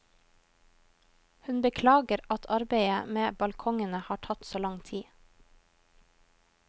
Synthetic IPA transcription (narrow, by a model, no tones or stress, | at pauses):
hʉnbəkʰlɑːɡəɾɑt̪ʰɑɾbeɪəmeːbɑlkʰɔŋənəhɑːʈʰɑt̪soːlɑŋt̪ʰiː